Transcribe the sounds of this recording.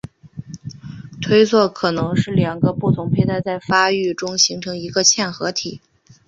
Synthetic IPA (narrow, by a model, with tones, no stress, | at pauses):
t̪ʰwe˥ɪt͡sʰwɔ˥˩kʰɤ˨˩nɤ˧˥ŋʂɻ̩˥˩ljɑ˨˩ŋɡə˦pu˥˩t̪ʰʊ˧˥ŋpʰe˧˥ɪt̪ʰa˥˧ɪt͡sa˥˩ɪfa˥y˥˩ʈ͡ʂʊ˥ŋɕi˧˥ŋʈ͡ʂʰɤ˧˥ŋi˧˥ɡə˧t͡ɕʰjɛ˥˩nxɤ˧˥t̪ʰi˨˩˦